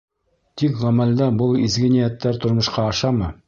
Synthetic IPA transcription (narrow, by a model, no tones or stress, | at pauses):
t̪ikʁɑmɑlʲd̪ɑbɤlˠizɡɘnijæt̪ːæɾt̪ŏɾmŏʃqɑːʃɑmɤ